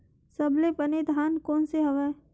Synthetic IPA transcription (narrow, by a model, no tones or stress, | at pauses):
sɐblepəned̪ʱaːnkɔːnseɦɐʋɛː